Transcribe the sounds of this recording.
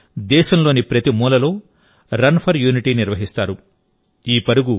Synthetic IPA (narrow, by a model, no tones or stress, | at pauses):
d̪ɛːʃɐmlo̞ːnipɾɐt̪imuːlɐlo̞ː | ɾɐnpʰɐɾjuːniʈiːniɾʋɐɦist̪aːɾu | iːpɐɾuɡu